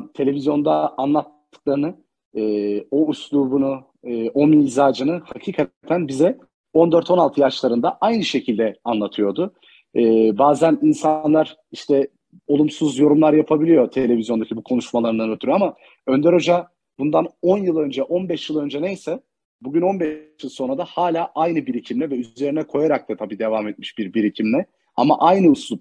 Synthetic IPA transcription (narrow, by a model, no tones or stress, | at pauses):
t̪ʰe̞lʲe̞vizjo̞nd̪aːnlˠat̪ːɯ̥klˠaɾɯnɯ | ɛːo̞uslˠuːbunuː | ʔo̞mizaːd͡ʒɯnɯhacʰiːkʰat̪ʰænbizɛ | o̞nd̪ø̞ɾt̪ʰo̞nalˠt̪ʰɯjat͡ʃlˠaɾɯnd̪aʔajnɯʃe̞cʰilʲd̪ɛanlˠat̪ʰɯjo̞ɾd̪ʊ | ɯːbaːzæninsanlˠaɾ̥ | iʃt̪ʰɛ | o̞lˠumsuzjo̞ɾumlˠaɾjapʰabilʲijo̞t̪ʰe̞lʲe̞vʲizjond̪acʰibukʰo̞nuʃmalˠaɾɯnanøt̪ʰyɾama | ø̞nd̪ɛɾo̞d͡ʒa | bund̪ano̞njɯlˠø̞nd͡ʒɛʔo̞nbɛʃjɯlˠø̞nd͡ʒɛnejsɛ | buɟyno̞nbɛjɯlˠso̞nɾad̪ahaːlʲaːʔajnɯbiɾicʰimlʲɛvɛyze̞ɾinɛkʰo̞jaɾak̚t̪ʰat̪ʰabiːd̪e̞vaːmɛt̪̚mi̥ʃbiɾbiɾicʰimlʲɛ | a̰ma̰ʔajnɯusˠup